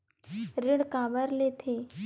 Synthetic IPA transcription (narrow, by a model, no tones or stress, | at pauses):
ɾɪɽkaːbəɾlet̪ʰeː